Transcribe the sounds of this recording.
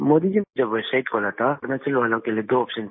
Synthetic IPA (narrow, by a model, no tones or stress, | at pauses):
moːd̪id͡ʒimẽd͡ʒɐbʋoseːʈkʰoːlat̪ʰaɾnat͡ʃɐlʋaːlõkelied̪oːɔːpʃən